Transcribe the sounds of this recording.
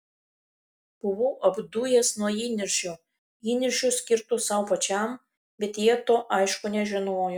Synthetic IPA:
b̥ʊʋuːʔɐbd̪ujeːsnuɔjiːnʲɪɾʲʃʲʊ | iːnʲɪɾʲʃʲʊsʲkʲɪɾt̪ʊsɐʊpɐt͡ʃʲɛm | bʲɛt̪jiɛt̪oːʔɐɪʃkʊnʲɛʒʲɪnoːjʊ

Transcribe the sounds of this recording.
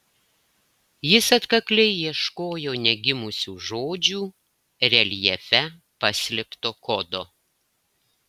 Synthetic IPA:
jɪsɐt̪kɐklʲɛɪjiɛʃkoːjoːnʲɛɡʲɪmʊsʲuːʒoːd͡ʒʲuː | ɾʲɛlʲjɛfʲɛ | pɐsʲlʲɪkt̪oːkɔd̪oː

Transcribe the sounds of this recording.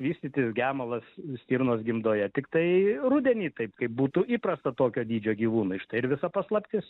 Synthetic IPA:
ʋʲiːsʲt̪ʲiːt̪ʲɪsɡʲæːmɐlˠɐssʲt̪ʲiːɾnoːsɡʲɪmd̪oːjɛt̪ʲɪkt̪ɐɪɾʊd̪ʲɛnʲiːt̪ɐɪpkɐɪp̚buːt̪uːʔiːpɾɐst̪ɐt̪oːkʲoːd̪ʲiːd͡ʒʲoːɡʲiːʋuːnʊɪʃt̪ɐɪɪɾʋʲɪsɐpɐslˠɐpʲt̪ʲɪs

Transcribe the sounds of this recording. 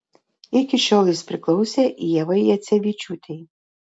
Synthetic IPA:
ɪkʲɪʃʲɔlʲˠɪspʲɾʲɪklˠɒʊsʲɛʔjɛʋɐjjɛt̪sʲɛʋʲit͡ʃʲut̪ʲɛj

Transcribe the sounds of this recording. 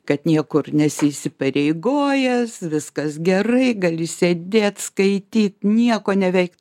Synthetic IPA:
kɐt̪nʲiɛkʊrnʲɛsʲɪisʲɪpɐɾʲɛɪɡoːjɛsʋʲɪskɐsɡʲɛrɐɪɡɐlʲɪsʲeːd̪ʲeːt̪skɐɪt̪ʲiːt̪nʲiɛkoːnʲɛʋʲɛɪk

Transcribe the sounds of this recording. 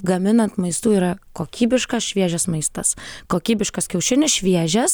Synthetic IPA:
ɡɐmʲɪnɐnt̪mɐɪst̪uːiːɾɐkoːkʲiːbʲɪʃkɐsʃʲʋʲiɛʒʲɛsmɐɪst̪ɐ̰skoːkʲiːbʲɪʃkɐskʲɛʊʃʲɪnʲɪsʃʲʋʲiɛʒʲɛs

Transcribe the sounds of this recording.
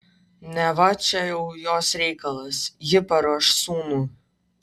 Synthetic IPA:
nʲɛvat͡ʃɐjɛwjoːsrʲɛjkɐlˠɐsjɪpɐɾoʃsuːnu

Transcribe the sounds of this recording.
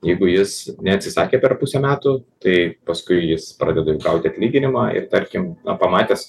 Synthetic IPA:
jɛɪɡʊjɪsnʲɛɐt̪ʲsʲɪsɑːkʲeːpʲɛrpʊsʲɛmʲæːt̪ʊt̪ɐɪpɐskʊɪjɪspɾɑ̰ːd̪ʲɛd̪ɐjɛʊɡɐʊt̪ʲɪɐt̪ʲlʲiːɡʲɪnʲɪmɑːɪ̰rt̪ɐɾʲkʲɪmnɐpɐmɑːt̪ʲeɛs

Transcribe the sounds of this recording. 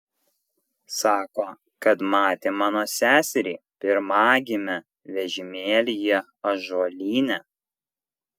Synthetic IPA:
sɑːkoː | kɐt̪mɑːt̪ʲemɑːnoːsʲæːsʲɛɾʲiːpʲɪɾmɑːɡʲɪmʲɛ | ʋʲɛʒʲɪmʲeːlʲɪjɛ | ɐʒoːlʲiːnʲɛ

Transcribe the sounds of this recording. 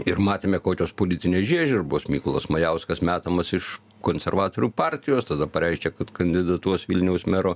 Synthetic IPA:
ɪrmɑːt̪ʲeːmʲɛkoːkʲoːspoːlʲɪt̪ʲɪnʲeːʒʲiɛʒʲɪrboːsmʲiːkʊlˠɐsmɐjɛʊskɐsmʲæːt̪ɐmɐsɪʃ | koːnʲsʲɛɾʋɑːt̪oːɾʲuːpɑːɾʲt̪ʲɪjoːst̪ɐd̪ɐpɐɾʲɛɪʃʲkʲɛkɐt̪kɐnʲd̪ʲɪd̪ɐt̪uɔsʋʲilʲnʲɛʊsmʲæɾoː

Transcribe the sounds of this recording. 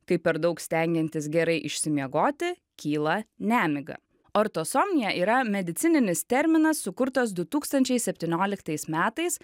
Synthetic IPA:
kɐɪpʲɛɾd̪ɐʊksʲt̪ʲɛˑŋʲɡʲɛnʲt̪ʲɪsɡʲɛɾɐɪʔɪʃʲsʲɪmʲiɛɡoːt̪ʲɪ | kʲiːlˠɐnʲæːmʲɪɡɐ̰ | oːɾt̪osoːmʲnʲɪjɛʔiːɾɐmʲɛd̪ʲɪt̪sʲɪnʲɪnʲɪst̪ʲɛɾʲmʲɪnɐsːʊkʊɾt̪ɐs̬d̪ʊt̪uːkst̪ɐnʲt͡ʃʲɛɪsʲɛpʲt̪ʲiːnʲoːlʲɪkt̪ɐɪsmʲæːt̪ɐɪs

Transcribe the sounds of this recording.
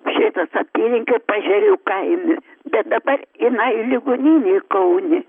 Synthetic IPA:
ʃʲɪt̪ɐsɐpʲiːlʲɪŋʲkʲopɑʒʲɛɾʲɛkɐɪmʲʊ | bʲɛt̪̚d̪ɐbɐrɪnɐɪlʲɪɡʊnʲinʲeːkɐʊnʲɪ

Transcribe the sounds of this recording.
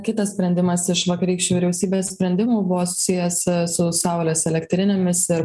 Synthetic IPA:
kʲɪt̪ɐssʲpʲɾʲɛnʲd̪ʲɪmɐsɪʃʋɐkɐɾʲiːkʃʲt͡ʃʲuːʋʲɪɾʲɛʊsʲiːbʲeːssʲpʲɾʲɛnʲd̪ʲɪmuːbʊʋoːsʊ̥sʲɪjɛssʊsɐˑʊlʲeːsɛlʲɛkt̪ʲɾʲɪnʲeːmʲɪsɪɾ

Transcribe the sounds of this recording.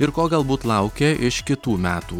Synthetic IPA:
ɪɾkoːɡɐlˠbuːt̪lˠɐʊkʲeːʔɪʃkʲɪt̪uːmʲæːt̪uː

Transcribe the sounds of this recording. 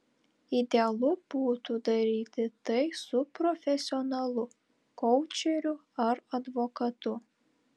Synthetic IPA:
ɪd̪ʲeɐlˠʊb̥uːt̪ud̪ɐɾʲiːt̪ʲɪt̪ɐɪsʊpɾɔfʲɛsʲɪɔnɐlˠʊ | kɔʊt͡ʃʲɛɾʲʊ | ɐɾɐd̪ʋɔkɐt̪ʊ

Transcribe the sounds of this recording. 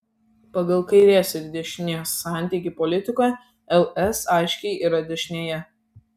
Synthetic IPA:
pɐɡɐlˠkɐɪɾʲiɛsʲɛd̪ʲɛʃʲnʲeːsːɑˑnʲˑt̪ʲiːˑkʲiˑpɔlʲɪt̪ʲɪkɑ | ɛlˠɛsɑˑɪʃʲkʲɛɪʔiːɾɐd̪ʲɛʃʲnʲeːjɛ

